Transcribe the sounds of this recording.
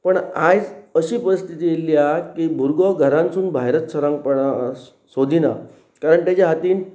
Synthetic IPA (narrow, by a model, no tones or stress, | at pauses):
pəɳad͡zəɕiːpəɾist̪ʰit̪iːjelːiakibʱuɾɡɔɡʱəɾãnsuːnbʱajɾət̪səɾãŋɡpəɽa | sod̪ʱina | kaɾəɳʈ̪jat͡ɕaɦat̪iːn